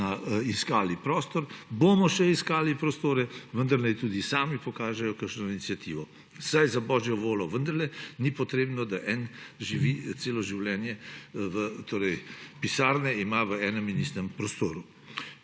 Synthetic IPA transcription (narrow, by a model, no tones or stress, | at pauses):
aiskaːlipɾɔːst̪ɔɾbomɔʃɛiskaːlipɾɔst̪oːɾɛʋənd̪ɐɾnajt̪uːd̪isaːmipɔkaːʒɛjɔkəkʃnɔinit̪sijat̪iːʋɔ | sajzabɔːʒjɔʋoːlɔʋənd̪ɐɾlɛnipɔt̪ɾeːbnɔd̪aʔɛnʒiʋiːseːlɔʒiwlɛːnjɛʋət̪ʰoːɾɛjpisaːɾnɛimaʋəɛːnɛminist̪ɛmpɾɔst̪oːɾu